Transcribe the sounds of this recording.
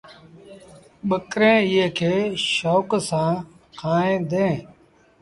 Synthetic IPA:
ɓəkɾẽːɪjeːkʰeːʃoːksãː | kʰaːẽːd̪ẽː

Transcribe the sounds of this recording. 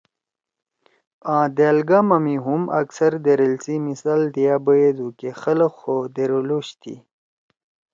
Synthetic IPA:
ãːd̪elɡamɐmiɦumʔɐ̰ksɐɾd̪eɾelt͡simisald̪ijabəjed̪ukexɐləxod̪eɾoloɕt̪ʰḭ

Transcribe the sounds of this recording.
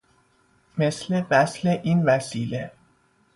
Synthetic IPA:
meslevæsleʔinvæsiːle

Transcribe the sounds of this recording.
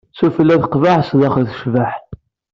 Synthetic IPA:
sufəlːæðəqvaʕsðɑχəɾθə̥ʃvaħ

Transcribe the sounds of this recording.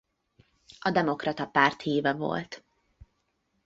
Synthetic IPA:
ɒd̪ɛmo̞krɒt̪ɒpaːrt̪hiːvɛvo̰lt̪

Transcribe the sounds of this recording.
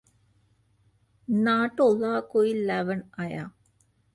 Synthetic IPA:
naːʈːolːaːkojillaʋɐɳɐja̰ː

